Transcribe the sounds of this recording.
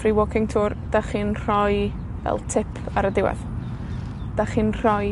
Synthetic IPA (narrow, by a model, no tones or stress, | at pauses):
friwɔkʰɪŋtʰuːrd̥aχiːnr̥ɔj | vɛ̰lˠtʰɪpʰaɾədɪwɛ̰ð | d̥aχiːnr̥ɔj